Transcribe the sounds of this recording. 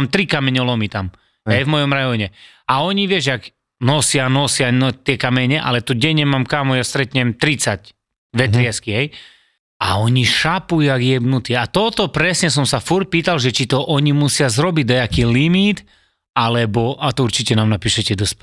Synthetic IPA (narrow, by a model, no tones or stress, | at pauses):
mt̪ɾikamɛɲɔlɔmit̪am | ɦɛjvmɔjɔmɾajɔɲɛ | aɔɲiʋɪɛʒɛaɡ | nɔsɪanɔsɪaɔt̪ɪɛkamɛɲɛʔa̰lɛt̪uɟɛɲːɛmaːmkaːmɔjast̪ɾɛt̪ɲɛmt̪ɾit͡sac | ʋɛt̪ɾɪɛskiɦɛj | a̰ɔɲiʃapujuaɡjɛbnut̪iat̪ɔt̪ɔpɾɛsɲɛs̬ɔmsafuɾc̚piːt̪alʒɛt͡ʃit̪ɔʔɔɲimusɪazɾɔbiɟd̪ɔjɛakiːlimit̪ | alɛbɔʔat̪ɔuɾt͡ʃicɛnaːmnapiːʃɛcɛd̪ɔsp